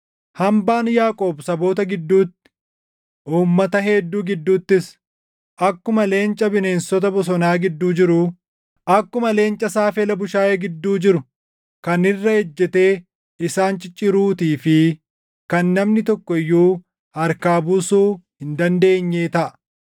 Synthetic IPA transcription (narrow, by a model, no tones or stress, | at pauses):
hɐmbaːnjaːkʼo̞ːbsɐbo̞ːt̪ɐɡɪd̪ːuːt̪ːɪ̥ | ʔuːmːɐt̪ɐɦeːd̪ːuːɡɪd̪ːuːt̪ːɪs | ʔɐkːʊmɐle̞ːnt͡ʃʼɐbɪne̞ːnsɔt̪ɐbɔs̬ɔnaːɡɪd̪ːuːd͡ʒɪɾʊ | ʔɐkːʊmɐle̞ːnt͡ʃʼɐsaːfɛlɐbʊʃaːjeːɡɪd̪ːuːd͡ʒɪɾʊ | kɐnɪrːɐhɛd͡ʒːɛt̪e̞ː | ɪsaːnt͡ʃʼɪt͡ʃʼːɪɾuːt̪iːfɪ | kɐnːɐmnɪt̪ɔkːɔɪjːuː | ɐɾkaːbuːsuːhɪnd̪ɐnd̪e̞ːɲːeːt̪ɐʔɐ̥